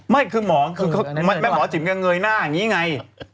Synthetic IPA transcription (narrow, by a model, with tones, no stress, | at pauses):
ma˥˩jkʰɯː˧mɔː˩˦kʰɯː˧kʰma˧nma˧˥˩mɔː˨˦t͡ɕʰi˨˩˦ka˧ŋɤː˧jnaː˥˩ʔa˨˩ŋiː˦˥˨ŋa˧j